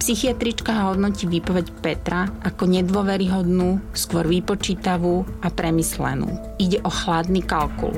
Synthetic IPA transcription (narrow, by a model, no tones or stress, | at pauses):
psixiat̪ɾit͡ʃkaɦɦɔd̪nɔciːʋipɔʋɛcpɛt̪ɾaʔakɔɲɛd̪ʊɔʋɛɾiɦɔd̪nuːskʊɔɾʋipɔt͡ʃiːt̪aʋuːʔapɾɛmislɛ̰nṵː | iɟɛʔɔxlad̪nikalkṵl